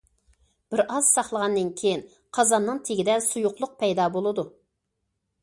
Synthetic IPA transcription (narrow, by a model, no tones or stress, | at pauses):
b̥ɪɾɑz̥sɑχlˠəʁɑnːɨnkʲʰejin | qʰɑzɑnːɨŋt̪ʰeɡʲid̪ɛsujʊqlˠʊq̚pʰɛjd̪ɑbolˠɨd̪u